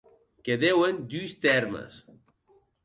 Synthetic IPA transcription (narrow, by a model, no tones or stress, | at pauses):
keðewend̪yst̪ɛɾmə̰s